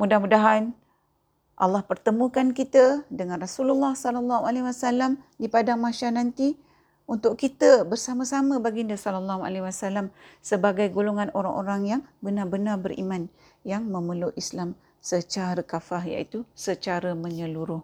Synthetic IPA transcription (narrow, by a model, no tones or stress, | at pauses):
mudahmudaɦan | ʔa̰lːɑhpərt̪əmũkankit̪ədəŋãnrasululːɑhsɔlalːɑɦualewasalamdipadaŋmaʃanant̪i | unt̪ʊʔkit̪əbərsaməsaməbaɡindəsɔlalːaɦua̰lewasalamsəbaɡajɡoloŋanoɾaŋʔoɾaŋjaŋbənarbənarbərʔḭmãn | jaŋməməluislam | sət͡ʃaɾəkafaɦja̰ʔit̪usət͡ʃaɾəmə̃ɲəluɾʊh